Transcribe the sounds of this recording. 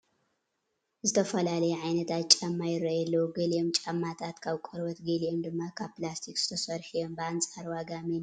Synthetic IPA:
zɨt̪ʰɐfɐlalɐjɛʕajnɐt̪ʰat͡ʃʼamːajɪɾɐjɛlːɐwuɡɨliomt͡ʃʼamːat̪ʰat̪kʰaβkʼɔɾbɐt̪ɡeliomd̪ɨmːakʰaβplast̪ʰikz̥ɨt̪ʰɐsɐɾħijo̞mbɨant͡sʼaɾwaɡami

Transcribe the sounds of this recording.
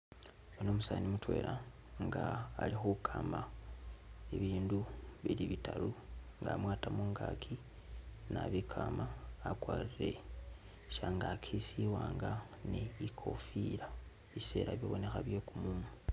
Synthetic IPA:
onomusanimutwe̞̰ːɾʔa | ŋɡaːlixukʰama | eβiːnduβiliβitʰaluŋɡa̰mwaːtamuŋɡakʰi | naβikʰamaːkwaːriɾe̞̰ | ʃaŋɡakʰisiwaːŋɡa | neβikʰo̞fiɾa | βise̞ːɾaβjoβo̞ne̞xaβjekumuːmu

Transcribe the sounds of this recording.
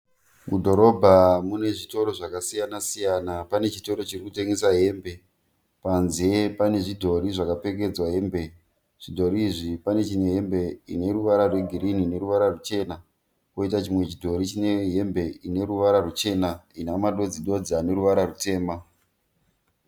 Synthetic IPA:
mudʱo̞ɾobʱamune̞ʐito̞ɾo̞ʐakasijanasijanapane̞t͡ʃito̞ɾo̞t͡ʃirikute̞ŋɡesaɦe̞mbe̞ | panze̞pane̞ʐidʱo̞ɾiʐakape̞ke̞d͡zwaɦe̞mbe̞ | ʐ̥idʱo̞ɾiːʐipane̞t͡ʃine̞ɦe̞mbe̞ine̞ɾuʋaɾarweɡʱiɾinine̞ɾuʋaɾarut͡ʃe̞ːna | koitat͡ʃimwe̞t͡ʃidʱo̞ɾit͡ʃine̞ɦe̞mbe̞ine̞ɾuʋaɾarut͡ʃe̞nainamaɗo̞d͡ziɗo̞d͡ziane̞ɾuʋaɾarute̞ːma

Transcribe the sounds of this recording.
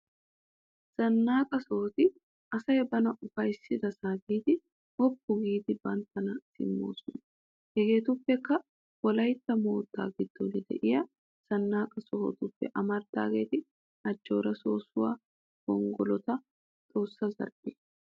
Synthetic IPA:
z̥ɐnːaːkʼɐsɔhɔt̪ɪ | ʔɐsɐjɛbɐnɐʔʊfɐjsːɪd̪ɐsaːɡiːd̪ɪ | hɔpːʊɡiːd̪ɪbɐnt̪ːɐnɐsɪ̰mːo̞̰ːsʊnɐ | hɛɡe̞ːt̪ʊpːɛkːɐ | wɔlɐjt̪ːɐmo̞ːt̪ːa̰ːɡɪd̪ːɔnɪd̪ɛ̰ʔɪjɐ | z̥ɐnːaːkʼɐsɔhɔ̰t̪ʊpːɛ̰ʔɐmɐɾd̪a̰ːɡe̞̰ːt̪ɪ | ɐd͡ʒːo̞̰ːɾɐso̞ːsʊwa̰ː | ɡɔŋɡɔlɔt̪ɐ | t̪ʼo̞ːsːɐzɐ̰ɾʔeː

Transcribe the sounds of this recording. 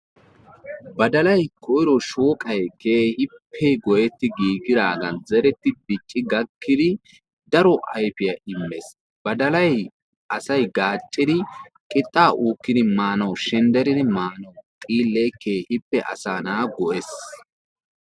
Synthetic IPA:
bɐd̪ɐlɐjkʰɔɪɾɔʃoːkʼɐjkeːhɪpʰːɛɡɔʔɛt̪ːɪɡiːɡɪd̪aːɡɐnzɛɾɛt̪ːɪbɪt͡ʃʼːɪɡɐkʰːɪd̪ɪ | d̪ɐɾɔʔɐjpɪjɐʔɪmːɛs | b̥ɐd̪ɐlɐj | ʔɐsɐjɡaːt͡ʃʼːɪd̪ɪ | kʼɪt̪ʼːaːʔuːkːɪd̪ɪmaːnɐwʃɛnd̪ɛɾɪd̪ɪmaːnɐwt̪ʼiːlːɛjkeːhɪpːɛʔɐ̰saːnaːɡɔʔɛs

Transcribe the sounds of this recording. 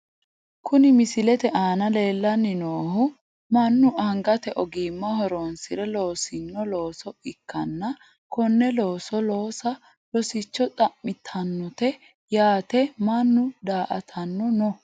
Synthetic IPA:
kʰʊnɪmɪsɪlɛt̪ɛʔaːnɐle̞ːlːɐnːɪnoːhʊ | mɐnːʊʔɐŋɡɐt̪ɛʔɔɡimːɐɦɔɾoːnsɪɾɛlo̞ːsɪnːɔlo̞ːsɔɪkːɐnːɐ | kɔnːɛlo̞ːsɔlo̞ːsɐ | lɔsɪt͡ʃːɔt̪ʼɐmːɪt̪ʰɐnːɔt̪ɛ | jaːt̪ɛmɐnːʊd̪aːʔɐ̰t̪ʰɐnːɔnɔ

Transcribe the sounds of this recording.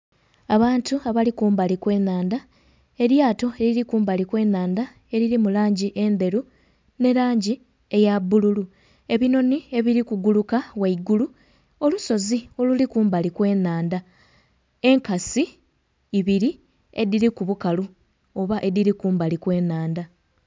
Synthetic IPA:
aβaːntuaβalikuːmbalikwe̞ːnaːnd̪a | e̞ɾjaːto̞e̞ɾiɾikuːmbalikwe̞ːnaːnda | e̞ɾiɾimulaːɲɟiʔe̞nde̞ɾu | ne̞ɾaːɲɟi | e̞jabːululu | e̞βino̞nie̞βiɾikuɡulukawaiɡulu | o̞luso̞zio̞lulikuːmbalikwe̞ːnaːnda | e̞ŋkasiː | βiɾi | e̞̰diɾikuβukalu | o̞βaʔe̞ðiɾikuːmbalikwe̞ːnaːnda

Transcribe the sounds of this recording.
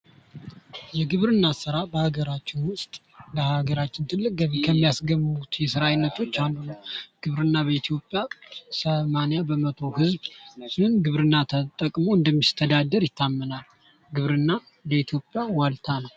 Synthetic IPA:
jɛɡɨβɾɨnːasɨɾabəhaɡəɾat͡ʃːɛnwʊst̪ʼ | ləhaɡəɾat͡ʃːɪnt̪ʰɨlːɨkʼkʰːəmːijasɡəmut̪jɛsəɾajɪnːət̪ʰo̞t͡ʃːand̪unəwɡ̥ɨβɾɨnːabəit̪ʰjo̞pʼːjasəmanijabəmət̪ʰo̞hɨzbsɨnɡɨβɾɨnːat̪ʰət̪ʼːəkʼmo̞ɨnd̪əmːist̪ʰəd̪ad̪ːəɾjɪt̪ʰːamːənal | ɡɨβɾɨnːa | ləit̪ʰjo̞pʼːjawalt̪ʰanəw

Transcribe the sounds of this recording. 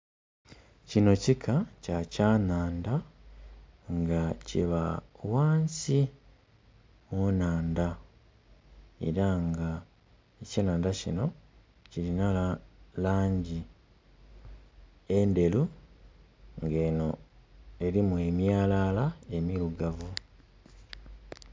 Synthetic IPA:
cino̞cikʰacacaːnaːnda | ŋɡaciβawaːnsi | monaːnda | e̞̰ɾaŋɡa | ecaːnaːndacḭno̞ | cilinalaːɲɟi | ende̞lu | ŋɡe̞ːno̞e̞ɾimue̞mjaːlaːlae̞miluɡavu

